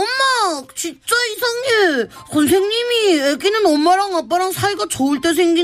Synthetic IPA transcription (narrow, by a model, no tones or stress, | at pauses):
ʌmːat͡ɕit͡ɕ͈ʌisʰaŋɲuɭsons̬ʰe̞ŋɲimieɡinɯnʌmːaɾaŋap͈aɾaŋsʰaiɡat͡ɕoɯɭt͈e̞s̬ʰe̞ŋɡi